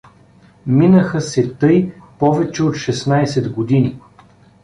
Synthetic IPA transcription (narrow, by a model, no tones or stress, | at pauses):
minəxəsɛt̪ɤjpɔvɛt͡ʃɛot̪ʃɛsnajsɛd̪ɡod̪ini